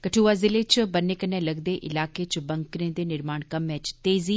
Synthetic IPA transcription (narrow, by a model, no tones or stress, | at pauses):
kəʈʰuːʋaːzɪlet͡ʃbəneːkənːẽləɡd̪eʔɪlaːket͡ʃbɐŋkɾẽd̪eːnɪɾmaːɳkɐmːɛːt͡ʃt̪eːziː